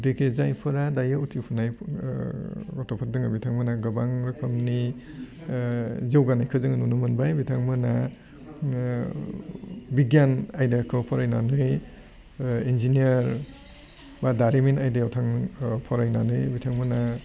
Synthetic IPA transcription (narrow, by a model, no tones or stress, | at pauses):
dikʰezajpʰɯɾadajautʰipʰunaj | ɔtɔpʰat̚dɯŋabitʰaŋmɯnaɡɯbaŋɾɐkʰɯmni | zewɡanajkʰɯzɯŋanunumɯnbajbitʰaŋmɯna | biɡjanajdekʰɯpʰɔɾajnanɯj | inziniaɾ | badaɾiminajdeɔwtʰaŋpʰɔɾajnanɯjbitʰaŋmɯna